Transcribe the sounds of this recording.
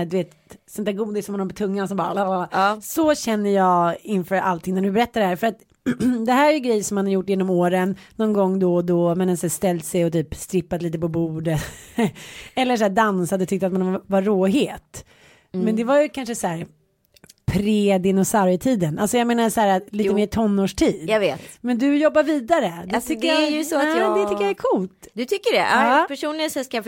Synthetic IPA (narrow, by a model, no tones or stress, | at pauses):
d̪ɵveːt̪ | sɛnd̪ʰæɾɡuːd̪ɪsɔmhanaɾpɔt̪ʰɵŋːansɔmbɑːɾalaasɔɕɛnːəjɑːɪnfœːɾʔa̰lt̪ʰɪŋnæɖɵbɛɾɛt̪ːaɖɛhæːɾfœɾat̪ | d̪ɛɦæːɾæɾjʏɡɾɛjːsɔmhanhaɾjʊʈːjeːnɔmoːɾənːɔnɡɔŋːd̪ɔd̪ɔmɛnɛnsæst̪ɛlt̪sɛjɔt̪ʰyːpst̪ɾɪpːad̪liːt̪əpɔbuːɖət̪ | ɛlːəʂæːɖansad̪ɔt̪ʰʏk̚t̪əat̪manvaɾoːɦeːt̪ | mɛnd̪ɛvajɵkʰanʂəsæːɾ | pʰɾeːd̪ɪnɔsaɾɪt̪ʰiːd̪ənʔalsɔjameːnasæːɾaliːt̪əmeːɾt̪ʰɔnːoːʂʈʰiːd̪javeːt̪mɛnd̪ɵjɔbːaɾviːd̪aɾəd̪t̪ʰɪd̪əjjsɔd̪ɛt̪ʏːəjaɛɾkʰʊlt̪d̪ɵt̪ʰʏkːəɖɛ̰ʔapʰæʂuːnlɪsɛskaa